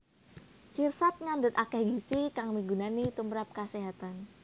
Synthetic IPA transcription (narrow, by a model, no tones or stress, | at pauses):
t͡ʃirsat̪̚ŋandət̪̚akɛhɡisikaŋmiɡunanit̪umɾap̚kaseɦat̪an